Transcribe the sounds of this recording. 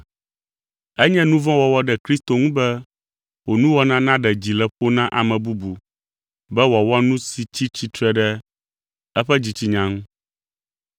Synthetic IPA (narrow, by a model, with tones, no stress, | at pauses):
ɛ˦ɲɛ̃˦nũ˦vɔ̃˦wɔ˨wɔ˦ɖɛ˨kɾi˦st̪o˨ŋũ˦bɛ˦ | wo˨nũ˦wɔ˦nã˦nã˦ɖɛ˨d͡ʑi˨lɛ˨ɸo˦nã˦ʔa˨mɛ̃˨bu˦bu˨ | bɛ˦wɔ˨wɔ˦nũ˦si˨t͡ɕi˦t͡ɕi˦t̪ɾɛ˦ɖɛ˦ | ɛ˦ɸɛ˦d͡ʑi˨t͡ɕi˦ɲã˨ŋũ˦